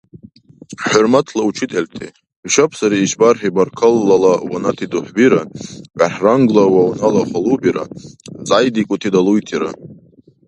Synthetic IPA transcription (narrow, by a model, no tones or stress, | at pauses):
ħʊrmatʰlaut͡ʃʰɪtʼeltʰḛ | ʃapʰsaɾiːʃbarħibarkʰəlːalawanatʰiduħʷbiɾanʕaħraŋɡlawawnalaχʷalubiɾa̰t͡sʼajdikʷʼʊtʰidalujtʰiɾa̰